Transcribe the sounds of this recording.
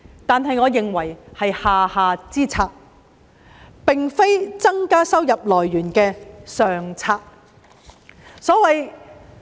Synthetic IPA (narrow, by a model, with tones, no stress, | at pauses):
t̪aː˨nɦɐ˨jŋɔː˨˧jɪ˨ŋwɐ˨˩jhɐ˨jhaː˨haː˨˧t͡siː˥t͡sʰaː˧k̚ | pɪ˨ŋfe˥jt͡sɐ˥ŋkaː˥sɐ˥wjɐ˨p̚lɔː˨˩jːyː˨˩nkɛː˧sœː˨ŋt͡sʰaː˧k̚ | sɔː˨˥wɐ˨j